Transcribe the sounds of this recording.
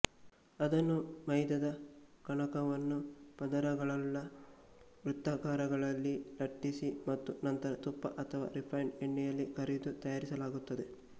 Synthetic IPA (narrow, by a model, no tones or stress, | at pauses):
ɐd̪ɐnːumɐjd̪ɐd̪ɐkɐɳɐkɐʋɐnːupɐd̪ɐɾɐɡɐɭɐlːɐ | ʋɾut̪ːɐkaːɾɐɡɐɭɐlːilɐʈːisimɐt̪ːunɐnt̪ɐɾɐt̪upːɐʔɐt̪ʰɐʋa̰ːɾipʰɐjɳeɳːɛjɐlːikɐɾid̪ut̪ɐjaːɾisɐlaːɡut̪ːɐd̪e̞